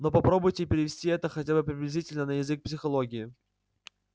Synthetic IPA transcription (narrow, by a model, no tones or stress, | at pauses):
no̞pɐpɾo̞bʊjtʲɪpʲɪɾʲɪvʲɪsʲtʲiɛt̪əxɐtʲabɨpɾʲɪblʲɪzʲitʲɪlʲnənəjɪzɨk̚psʲɪxɐlˠoɡʲɪɪ